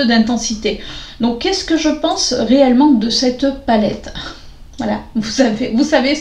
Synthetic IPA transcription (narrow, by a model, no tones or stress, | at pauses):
ød̪ɛ̃t̪ɑ̃sit̪ed̪ɔ̃kːɛskəʒəpɑ̃sʁeɛlmɑ̃d̪əsɛt̪palɛ̰t̪ | vwala̰vusavevusave